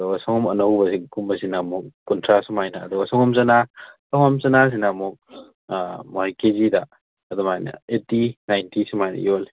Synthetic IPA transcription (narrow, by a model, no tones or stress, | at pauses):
dɔɐsɔŋɔmɐnɐwbɐsikumbɐsinamuk̚kɔntʰɾasumajnɐ̰ːd̪ɔɐsɔŋɔmzɐnatɔŋamt͡ʃɐnas̬inamuk̚ | mɔhajkezida | ɐdɔmajnɐ̰etinajntisumajnɐ̰jol